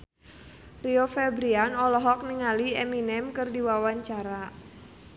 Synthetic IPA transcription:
riofɛbɾianɔlɔɦɔk̚niŋaliɛminɛmkɨrdiwawaɲt͡ʃaɾa

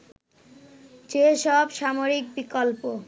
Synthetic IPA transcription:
t͡ɕeʃɔbʃamoɾik̚bikolpo

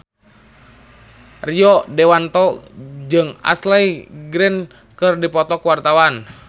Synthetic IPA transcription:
riɔdɛwant̪ɔd͡ʒɨŋa̰slɛiɡɾɛn | kɨrdipɔt̪ɔkuwart̪awan

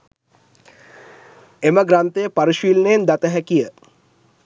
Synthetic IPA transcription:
eməɡɾant̪ejəpaɾiʃʋilneːnd̪at̪əɦækijə

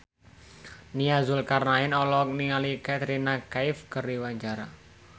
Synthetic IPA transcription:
niazʊlkarnaɪnɔlɔk̚niŋalikat̪əɾinakaɪfkəriwaɲt͡ʃaɾa

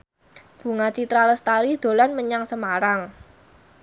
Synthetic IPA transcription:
b̥ṳŋat͡ʃit̪ɾaləst̪aɾid̪̥o̤lanməɲaŋsəmaɾaŋ

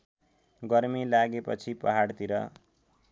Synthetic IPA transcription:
ɡʌrmilaɡepʌt͡sʰipʌɦaɽt̪iɾʌ̰

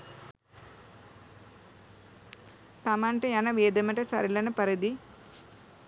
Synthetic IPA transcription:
t̪ɐmaɳʈejɐnɐʋeːd̪ɐmɐʈɐsɐ̰ɾilɐnɐpɐɾid̪i

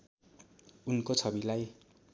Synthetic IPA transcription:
unkot͡sʰʌbilaj

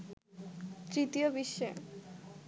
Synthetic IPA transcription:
t̪ɾit̪iobiʃːo

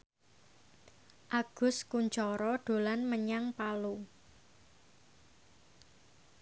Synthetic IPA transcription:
ʔaɡ̥ʊ̤skuɲt͡ʃɔɾɔɖ̪̥o̤lanməɲaŋpalu

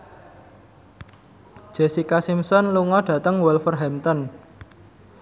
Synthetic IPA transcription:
ʒ̥ɛsikasimsɔnluŋɔɖ̥ä̤t̪əŋwɛlfərɦɛmt̪ɔn

